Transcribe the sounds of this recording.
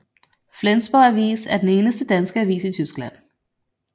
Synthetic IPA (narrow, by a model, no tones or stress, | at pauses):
flensb̥ɒæʋḭːsæɐd̥en̩e̝ːnəsd̥əd̥ænsɡ̥əæʋḭːsit͡sʰysɡ̥læn̰